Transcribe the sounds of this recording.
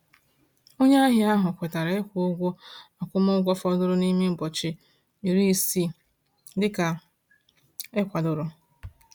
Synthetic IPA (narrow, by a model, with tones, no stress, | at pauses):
o˦ɲe˦a˦ɦɪ˦a˦ɦʊ˨kʷe˨ta˨ɾa˨e˦kʷo˦ɡʷʊ˦a˨kʷʊ˦mʊ˦ɡʷɔ˦fɔ˦dʊ˦ɾʊ˦ni˦mi˦m̩˨bɔ˨t͡ʃɪ˨ | i˨ɾi˦˨si˦ | dɪ˦ka˨ | e˦kʷa˨dʊ˨ɾʊ˦